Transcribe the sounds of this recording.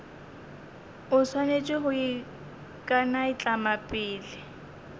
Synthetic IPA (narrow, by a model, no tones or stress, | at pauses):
ʊswanet͡ʃʼɪɦʊi | kʼanaɪt͡ɬʼamapʼɪːlɪ